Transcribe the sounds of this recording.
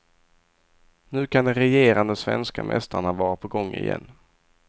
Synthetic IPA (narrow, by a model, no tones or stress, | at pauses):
nʉ̟ːkʰand̪ɛɾɛjeːɾand̪əsvɛnskamʔɛ̰st̪aɳavɑːɾapʰɔɡɔŋːɪ̰jɛ̰nː